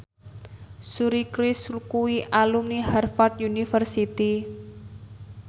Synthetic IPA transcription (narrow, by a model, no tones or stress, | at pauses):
suɾikɾɪslkuwiʔalumnihɛrfart̪̚junifərsit̪i